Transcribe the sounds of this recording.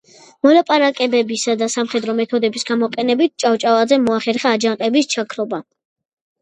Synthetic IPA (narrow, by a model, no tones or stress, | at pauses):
mɔlapʼaɾakʼɛbɛbisad̪asamχɛd̪ɾɔmɛt̪ʰɔd̪ɛbisɡamɔqʼɛnɛbit̪̚t͡ʃʼavt͡ʃʼavazɛmɔaχɛɾχaːd͡ʒanqʼɛbist͡ʃʰakʰɾɔba